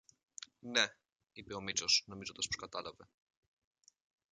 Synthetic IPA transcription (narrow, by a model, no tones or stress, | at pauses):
ne | ipeo̞mit͡sosno̞mizot̪ɐspskɐt̪ɐlɐve